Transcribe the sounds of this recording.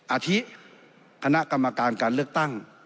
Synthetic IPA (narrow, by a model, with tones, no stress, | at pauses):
ʔa˧t̪ʰi˦˥ʔ | kʰa˧na˦˥ʔka˧mːa˧kaː˧nkaː˧nlɯ˥˩ək̚t̪a˥˩ŋ